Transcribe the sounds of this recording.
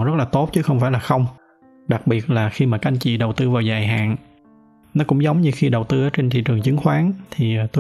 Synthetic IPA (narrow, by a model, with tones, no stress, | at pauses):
zə˦˥t̚laː˨˩t̪o˦˥t̚t͡ɕɨ˨˦xə˧wŋ͡mfaː˧˩jlaː˨˩xə˧wŋ͡m | ɗa˨˩k̚ɓi˨˩ət̚laː˨˩xi˧maː˨˩ka˧a˧ŋ̟t͡ɕḭ˧˨ɗə˨˩wt̪ɨ˧vaː˨˩wzaː˨˩jɦa̰ː˨˩˨n | nɔ˨˦kʊ̰˧˥ŋ͡mzə˨˦wŋ͡mɲɨ˧xi˧ɗə˨˩wt̪ɨ˧ʔaː˨˦t͡ɕe˧nt̪ʰḭ˧˨t͡ɕɨ˨˩ŋt͡ɕɨ˨˦ŋxwaː˨˦nt̪ʰi˨˩˨t̪o˧